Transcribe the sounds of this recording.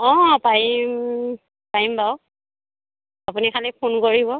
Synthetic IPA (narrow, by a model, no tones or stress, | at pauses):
ɔ̃pajim | pajimbaʊ | apunikʰalɛpʰunkoɹibɔ